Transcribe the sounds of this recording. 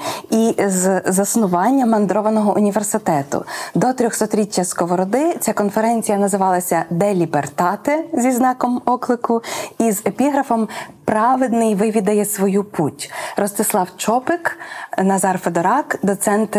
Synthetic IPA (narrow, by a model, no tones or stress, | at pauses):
izzɐsnʊʋɑnʲːɐmɐnd̪ɾɔʋɐnɔɦɔʔʊnʲiʋersɪt̪ɛt̪ʊ̰d̪ɔt̪ɾʲɔxsɔt̪ɾʲitʲːɐskɔʋɔɾɔd̪ɪt͡sʲakɔnfeɾɛnʲt͡sʲijɐnɐzɪʋɑlˠɐsʲɐd̪ɛlʲibert̪ɑt̪ɛzʲiznɑkɔmɔklˠɪkʊizepʲiɦɾɐfɔmpɾɑʋed̪nɪjʋɪʋʲid̪ɐjɛsʋɔjuputʲɾɔst̪ɪslˠɑwt͡ʃɔpɪknɐzɑrfed̪ɔɾɑkd̪ɔt̪sɛnt̪